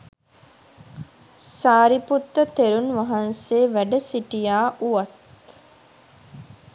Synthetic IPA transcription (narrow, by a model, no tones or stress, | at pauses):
saːɾiput̪ːət̪eɾunʋɐɦɐnseːʋæɖəsiʈijaːʔuʋɐt̪